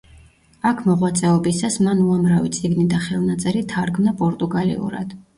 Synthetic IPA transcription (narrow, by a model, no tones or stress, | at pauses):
akʰmɔʁwat̪sʼɛɔbisasmanuamɾavit̪sʼiɡnid̪aχɛlˠnat̪sʼɛɾit̪ʰaɾɡmnapʼɔɾt̪ʼuɡalḭṵɾa̰d̪̥